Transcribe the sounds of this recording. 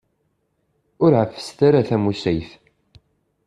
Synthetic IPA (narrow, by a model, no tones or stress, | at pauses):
ʊɾʕəfːə̥st̪aɾaθæmusæjθ